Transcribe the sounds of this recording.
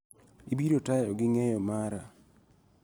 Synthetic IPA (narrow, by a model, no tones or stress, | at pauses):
ibiɾotajɔɡɪŋɛjɔmaɾa